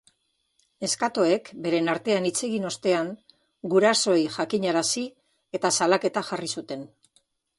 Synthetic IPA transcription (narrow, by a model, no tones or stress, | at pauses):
e̞skat̪o̞e̞kbe̞ɾe̞naɾt̪e̞anit͡se̞ɣino̞st̪e̞aŋ | ɡuɾaso̞jʝakiɲaɾasi | e̞t̪asalake̞t̪axarisut̪e̞n